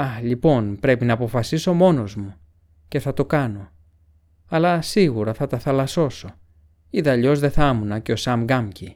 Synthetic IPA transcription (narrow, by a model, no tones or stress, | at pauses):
ɐxʎipo̞npɾe̞pinɐːpo̞fɐsiso̞mo̞no̞zmu | ce̞θɐt̪o̞kɐno̞ | ɐlɐsiɣuɾɐθɐt̪ɐθɐlɐso̞so̞ | iðɐʎo̞zðe̞θɐmunɐce̞o̞sɐmɡɐmci